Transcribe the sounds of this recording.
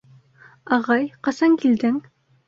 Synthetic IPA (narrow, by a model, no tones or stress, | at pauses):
ɑʁɑjqɑsɑŋkild̪ɘŋ